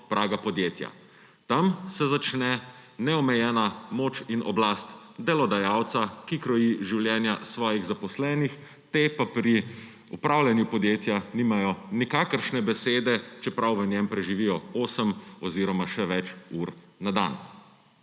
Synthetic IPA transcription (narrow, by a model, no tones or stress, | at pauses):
pɾʔaːɡapɔd̪jeːt̪ja̰ | t̪amsɛzat͡ʃnɛnɛɔmɛjɛːnamoːt͡ʃinʔɔblast̪d̪ɛlɔd̪ajawt̪sakikɾɔjiʒiwljɛːnjasʋɔːjiɣzapɔslɛːnix | t̪epapɾi | upɾaːwlʲjanjupɔd̪jeːt̪janimajɔnikakəɾʃnɛbɛseːd̪ɛt͡ʃɛpɾawʋənʲjɛmpɾɛʒiʋijɔoːsəmɔziːɾɔmaʃɛʋɛt͡ʃuɾ | nad̪a̰n